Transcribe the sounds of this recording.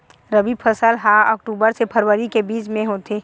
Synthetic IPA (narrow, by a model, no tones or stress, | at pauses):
ɾəbiːbpʰəsəlɦaɔ̰ːk̚ʈuːbəɾsepʰəɾwəɾikebiːt͡ʃmẽɦoːt̪ʰeː